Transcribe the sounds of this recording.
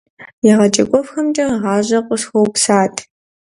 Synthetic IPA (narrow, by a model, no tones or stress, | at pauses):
jaʁɐt͡ʃʼɐkʷʼɔfxɐmt͡ʃʼɐʁɑːʑɐqʷʼʊsxɐwpsaːtʰ